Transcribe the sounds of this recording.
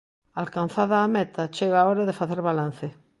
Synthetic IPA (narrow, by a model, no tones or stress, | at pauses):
alkan̟θaðaːmet̪ʰat͡ʃeɣaaoɾaðefaθeɾβalan̟θe